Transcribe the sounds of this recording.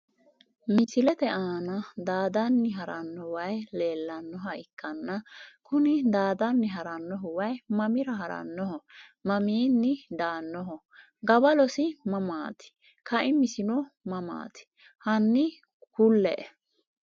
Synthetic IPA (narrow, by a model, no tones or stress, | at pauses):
mɪsɪlɛt̪ɛʔaːnɐd̪aːd̪ɐnːɪɦɐɾɐnːɔwɐjleːlːɐnːɔɦɐʔɪkːɐnːɐkʊnɪd̪aːd̪ɐnːɪɦɐɾɐnːɔɦɔwɐjmɐmɪɾɐɦɐɾɐ̰nːɔɦɔmɐmiːnːɪd̪aːnːɔɦɔ | ɡɐbɐlɔsɪmɐmaːt̪ɪ̥ | kʰɐʔɪmɪsɪnɔmɐma̰ːt̪ɪ̥ | hɐnːɪ | kʊlːɛ̰ʔɛ